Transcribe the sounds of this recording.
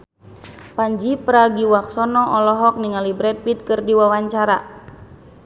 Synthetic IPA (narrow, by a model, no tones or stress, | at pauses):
paɲd͡ʒipəɾaɡiwak̚sɔnɔʔɔlɔɦɔk̚niŋalibɾɛt̪̚pit̪̚kɨrdiwawaɲt͡ʃaɾa